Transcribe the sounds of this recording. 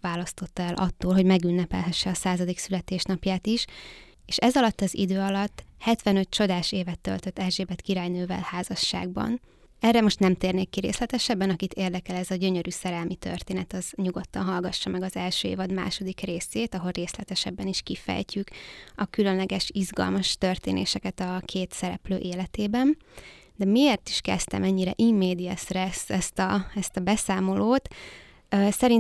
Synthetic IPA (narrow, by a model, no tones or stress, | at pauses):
ʋaːlɒst̪o̞t̪ːɒɛlʔɒt̪ːoːlɦoɟmɛɡynːɛpɛ̰lɦɛʃːɛɒsaːzɒd̪iksylɛt̪eːʃnɒpjaːt̪iʃ | eːʃɛzɒlɒt̪ːɒzḭd̪øːɒlɒt̪ːhɛt̪ʋɛnø̞t̪̚t͡ʃo̞d̪aːʃeːvɛt̪ːø̰lt̪øt̪ːɛlʒeːbɛt̪kiɾaːjnøːvɛ̰lhaːzɒʃːa̰ːɡ̚bɒ̰n | ɛrːɛmo̞ʃt̪nɛmt̪eːrneːkːirɾḛːslɛt̪ɛʃɛbːɛnɒkit̪eːrd̪ɛkɛlɛzɒɟø̞ɲøɾyːsɛɾɛlmit̪ø̰rt̪eːnɛt̪ɒzɲuɡo̞t̪ːɒnɦɒlɡɒʃːɒmɛɡɒzɛlʃøːḛːvɒd̪ma̰ːʃo̞d̪ikreːseːt̪ɒɦo̞lreːslɛt̪ɛʃɛbːɛniʃkifɛ̰jcykɒkylø̞nlɛɡɛʃizɡɒ̰lmɒʃt̪ørt̪ḛːnʔḛːʃɛkɛt̪ɒkʰeːt̪sɛɾɛ̰plø̰ːʔeːlɛt̪eːbɛn | d̪ɛmieːrt̪i̥ʃkɛ̰st̪ɛ̰mɛɲːiɾɛ̰ʔimːeːd̪iɛsrɛsɛst̪ɒɛst̪ɒbɛsaːmo̞loːt̪ː | sɛɾin